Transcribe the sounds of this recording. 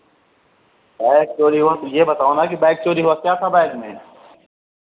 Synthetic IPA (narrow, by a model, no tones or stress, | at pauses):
baɪk̚t͡ʃoːɾiʋõt̪ojeːbət̪aːonakibɛːɪk̚t͡ʃoːɾiɦoakjaːt̪ʰabajɡmḛ̃ː